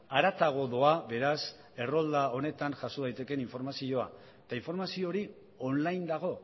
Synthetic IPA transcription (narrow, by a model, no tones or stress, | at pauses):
aɾat̪aɣ̞o̞ðoaβe̞ɾas | e̞ro̞ld̪ao̞ne̞t̪anʝasoðajt̪e̞ke̞niɱfo̞ɾmasio̞a̰ | et̪aiɱfo̞ɾmasio̞ɾi | o̞nlajnd̪aɣ̞o̞